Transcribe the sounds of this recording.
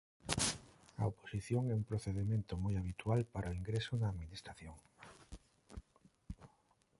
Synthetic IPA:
a̰opo̥siθjoŋɛumpɾoθeðemẽnt̪omojaβit̪walpaɾʔoiŋɡɾesonaːðminist̪ɾaθjoŋ

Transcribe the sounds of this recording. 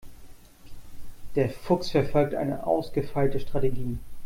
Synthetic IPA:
d̥eːɐfʊksfɛɐfɔlk̚tʔa̰ɪnəʔa̰ʊsɡ̥əfaɪltəʃtʁ̥ateɡiː

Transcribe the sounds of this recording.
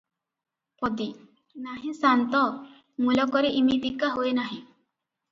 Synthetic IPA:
pɔd̪i | naɦĩsant̪ɔ | mulɔkɔɾeʔimid̪ikːaɦoenaɦĩ

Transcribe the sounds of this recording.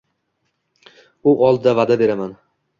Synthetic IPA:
ʊʔɒlˠd̪ɪd̪avad̪abe̞ɾaman

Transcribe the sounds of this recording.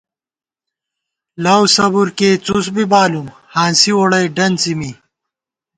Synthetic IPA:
lawsɐbuɾkeːt͡sus̬bibaːlum | haːnsiwoɽɐjɖɐnt͡simi

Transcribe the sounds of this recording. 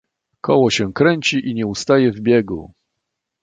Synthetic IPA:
kɔ̰wɔɕɛkɾɛɲt͡ɕiʔiɲɛust̪ajɛvbʲjɛɡṵ

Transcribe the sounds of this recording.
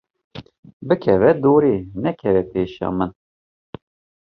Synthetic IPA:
bɨkʰɛvɛd̪uːɾiːnɛkʰɛvɛpʰeːʃɑ̰ːmɨn

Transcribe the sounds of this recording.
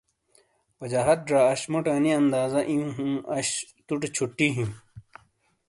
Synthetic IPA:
pɐd͡ʑaːɦɐt̪̚ɖɾaːɐɕmuʈaːniɐnd̪aːzɐʔĩũɦũɐɕt̪uʈet͡ɕʰuʈːiɦĩm

